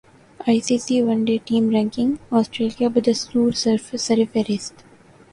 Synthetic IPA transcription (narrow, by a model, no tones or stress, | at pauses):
aɪsiːsiːʋʌ̃nɖeːʈĩːmɾæ̃ŋkɪ̃ŋɔːsʈɾeːliaʋɪd̪əskuːɾsəɾfsəɾɪfeɾɪsʈ